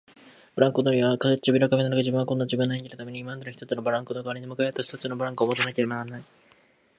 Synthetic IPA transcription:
b̥ɯ̟ɾãŋkod̪oɾʲiβakazet͡ɕibʲiɾokaminanaɡaʑibɯ̃akõ̞nːad͡ʑibɯ̃nːaeŋkʲiɾɯt̪ame̞ɲ̟iːmand̪enoçi̥t̪o̞t͡sɨnobaɾãŋkɯnokaβɾeɲimɯ̟kaeɾɯt̪oç̥i̥t̪ot͡sɨnobɯɾãŋkɯoːmot̪anake̞ɾe̞bananai

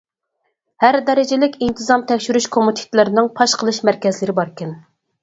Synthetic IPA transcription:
hæɾd̪ɛɾɪd͡ʒɪlɪkʲint̪ʰɨzɑmt̪ʰɛkʲʃyɾyʃkʰomut̪ʰi̥t̪ʰlˠɨɾɪnɨŋpʰɑʃqʰəlˠɨʃmæɾkʲɛzlɪɾɪbɑɾkʲɛn

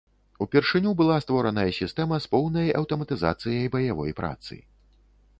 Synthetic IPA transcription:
upʲɛrʂɨnʲubɨlˠast̪vɔɾɐnɐjɐsʲist̪ɛmɐspɔwnɐjɐwt̪ɐmɐt̪ɨza̰t̪sɨjɐjbɐjavɔ̰jpɾʔa̰t̪sɨ̰

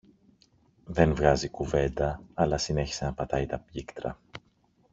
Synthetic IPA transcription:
ðe̞nvɣɐzikuve̞nd̪ɐːlɐsine̞çi̥se̞nɐpɐt̪ɐit̪ɐpʎikt̪ɾɐ̰

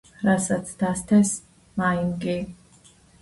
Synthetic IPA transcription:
ɾasat̪sʰd̪ast̪ʰɛs | mainɡi

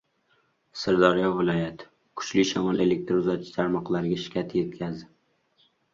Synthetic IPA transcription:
sɪɾd̪ɒɾijɒvːɪlˠɒjat̪ʰɪ̥ | kʰʊ̥t͡ʃlɪʃɒmɒnʔe̞lek̚ʲt̪ɾʊzat͡ʃʰɪ̥t̪ʰaɾmɒqlˠaɾɪɡʲaʃɪ̥kʲʰat̪ʰje̞t̪̚kʲʰazd̪ɪ

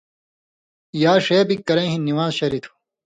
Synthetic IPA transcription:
jaːʂeːbikːɐɾẽːɦĩnːiwaːzɕɐɾit̪ʰu̥

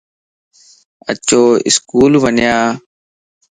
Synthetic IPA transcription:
ə̰t͡ʃoːɪ̰skuːlʋənjaː

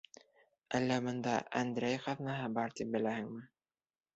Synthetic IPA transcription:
ælːæbɤ̆nd̪ɑʔæ̰nd̪ɾæjχɑvnɑɦɤbɑɾt̪ip̚bɘ̆læhɘŋmɘ

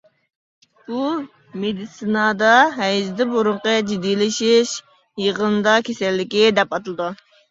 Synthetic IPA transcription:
u | med̪isɨnɑd̪ɑɦɛjzd̪ɪboɾʊɴqəd͡ʒid̪ːijlɪʃɪʃ | jəʁənd̪ɑkʲʰesɛlːɪkʲid̪ɛpɑt̪ɨlˠɨd̪u

